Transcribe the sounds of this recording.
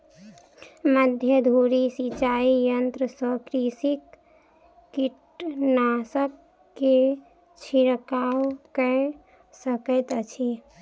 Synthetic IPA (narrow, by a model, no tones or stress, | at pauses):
məd̪ʱjəd̪ʱuɾisit͡ʃaijənt̪ɾəsəkɾisikː | iʈnasəkː | e | t͡ʃʰiɾkawkə | səkət̪t͡ʃʰi